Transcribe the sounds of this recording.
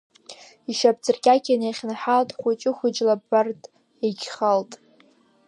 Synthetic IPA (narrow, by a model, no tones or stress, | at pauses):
iʃapt͡sɨrkʲʼakʲʰʼaneχʲnaħaltʼχʷʊt͡ʃʼɪχʷʊd͡ʒlabartʼ | eɡʲχaltʼ